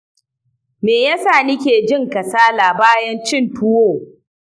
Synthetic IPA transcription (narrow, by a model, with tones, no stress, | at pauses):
meː˨jaː˦saː˦˨nɪ˦kʲeː˨d͡ʒɪ˦ŋkɐ˨saː˦laː˨baː˦jɐ˦nt͡ʃɪ˦˨ntʊ˦woː˦˨